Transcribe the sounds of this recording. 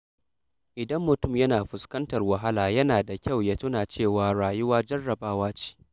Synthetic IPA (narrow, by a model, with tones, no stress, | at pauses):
ʔɪ˨dɐ˦mːʊ˨tʊ˦˨mjɐ˦naː˨ɸʊ˨skɐ˦ntɐ˨rwɐ˨ɦa˦laː˨jɐ˦naː˨da˨kʲa˦˨wjaː˦tʊ˦naː˨t͡ʃeː˦˨waː˨ɽaː˨jʊ˦waː˦d͡ʒɐ˦rːɐ˨baː˦waː˦t͡ʃi̥ː˦